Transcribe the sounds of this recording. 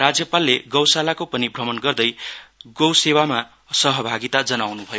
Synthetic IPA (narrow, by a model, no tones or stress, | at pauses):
rad͡zjʌpalːeɡʌwsalakopʌnibʱrʌmʌnɡʌrd̪ʌjɡʌwsewama | sʌɦʌbʱaɡit̪ad͡zʌnawnubʱʌjo